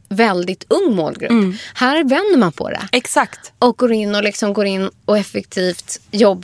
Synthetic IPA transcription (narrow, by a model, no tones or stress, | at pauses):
vɛld̪ɪt̪ʰɵŋːmo̰ːlɡɾɵpːhæːɾvɛnd̪əmanpʰɔ̰d̪ɛ̰ɛksakt̪ɔk̚ɡoːɾɪnːɔlɪksɔmɡoːɾɪnːɔɛfɛkt̪ʰiːft̪jɔbː